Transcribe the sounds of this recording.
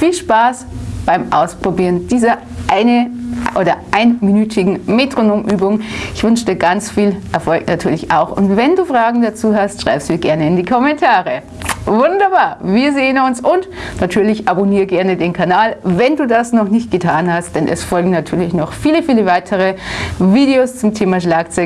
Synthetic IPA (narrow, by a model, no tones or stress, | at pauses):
fiːlʃpaːsb̥aɪmʔa̰ʊspʁ̥obiːʁənd̥iːzɐ | ʔaɪnəʔoːdɐʔaɪnminyːtʰɪɡŋ̩metʁ̥onoːmʔyːbʊŋʔɪçv̥ʏnʃtəɡant͡sfiːlʔɛɐfɔlknatʰyːɐlɪçʔa̰ʊxʊ̰ntvɛnduːfʁ̥aːɡŋ̩dat͡suːɦastʃʁ̥a̰ɪpsv̥iːɐɡɛɐnəɪndiːkʰɔmɛntʰaːʁə | vʊndɐbaːɐviːɐzeːənʊnsʔʊntnatʰyːɐlɪçʔaboniːɐɡɛɐnədeːnkʰanaːlvɛnduːdasnɔχnɪçt̚ɡ̥ətʰaːnhast̚d̥ɛnʔɛ̰sfɔlɡŋ̩natʰyːɐlɪçnɔχfiːləfiːləvaɪtʰəʁ̞əviːdeoːst͡sʊmtʰeːmaʃlaːkt͡sœ